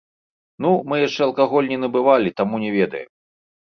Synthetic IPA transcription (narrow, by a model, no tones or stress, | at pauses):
numɨjaʂt͡ʂɛɐlˠkaɣɔlʲnʲinɐbɨvalʲit̪amunʲɛvʲɛd̪ɐ̰jɛ̰m